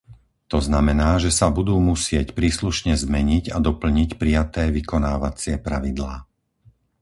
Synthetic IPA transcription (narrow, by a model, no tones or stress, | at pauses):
t̪ɔznamɛnaːʒɛsabud̪uːmusɪɛcpɾiːsluʃɲɛzmɛɲiɟad̪ɔpl̩ɲicpɾijat̪ɛːʋikɔnaːʋat͡sɪɛpɾaʋid̪laː